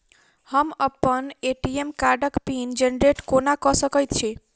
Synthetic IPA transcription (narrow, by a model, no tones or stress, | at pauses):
həməpəneʈiemkaɾɖəkpind͡ʒenɾeʈkonakɔsəkəjt̪t͡ʃʰe